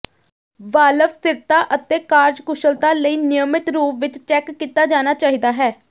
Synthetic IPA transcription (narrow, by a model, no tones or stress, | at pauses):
ʋaːləʋst̪ɪɾt̪aːʔət̪eːkaːɾd͡ʒkʊʃəlt̪aːləiːnɪjəmɪt̪ɾuːpʋɪt͡ʃt͡ʃɛːkːiːt̪aːd͡ʒaːnaːt͡ʃaːɦiːd̪aːɦɛː